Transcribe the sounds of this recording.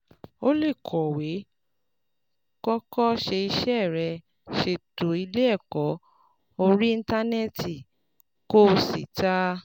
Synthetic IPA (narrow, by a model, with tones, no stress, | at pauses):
o˦le˦˨kʰɔ˨we˨˦ | kɔ˦kɔ˦ʃe˧i˧ʃɛ˦˨ɾɛ˧ | ʃe˨to˨˦i˧le˦ɛ˦˨kɔ˨˦ | o˧ɾi˦ĩ˧n˦ta˦nɛ˦ti˨ | ko˦si˨ta˦